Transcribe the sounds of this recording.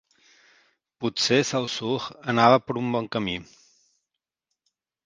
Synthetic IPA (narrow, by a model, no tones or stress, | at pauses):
putsesawsuxənaβəpəɾumbɔŋkəmi